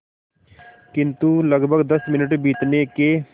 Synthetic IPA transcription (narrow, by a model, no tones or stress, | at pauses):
kɪ̃nt̪uləɡbʱəɡd̪əsmɪnəʈbiːt̪neːkeː